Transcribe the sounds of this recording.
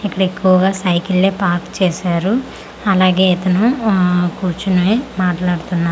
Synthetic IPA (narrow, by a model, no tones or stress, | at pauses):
ikːɐɽɐekːuʋɐɡaːsɐjkilːeːpaːɾkt͡ʃɛːʃaːɾu | ɐlaːɡeːɛt̪ɐnukuɾt͡ʃunɐemaːʈlaːɽut̪unːa